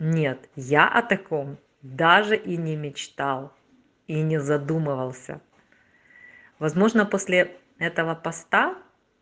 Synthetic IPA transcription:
nʲet̪jaʔɐt̪ɐko̞m | d̪aʐɨʔinʲɪmʲɪt͡ɕt̪alˠ | inʲɪzɐd̪umɨvəlˠsʲə̰ | vɐzmo̞ʐnəpo̞sʲlʲɪ | ɛt̪əvəpɐst̪a

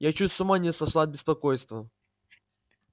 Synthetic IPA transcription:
jat͡ɕusʲt̪sʲʊmanʲɪsɐʂlˠad̪̚bʲɪspɐkojst̪və

